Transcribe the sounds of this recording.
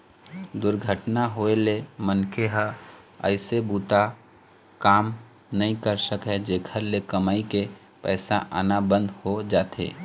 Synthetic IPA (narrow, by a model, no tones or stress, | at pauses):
d̪ʊɾɡʱəʈnaɦoelemənkʰeɦə | ə̰ɪsebuːt̪a | kaːm | nəɦĩkəɾsəkɦɛd͡ʒeːkʰəɾlekəmaːike | pɛ̰ːsaʔa̰nabə̃nd̪ʱhod͡ʒaːt̪ḛː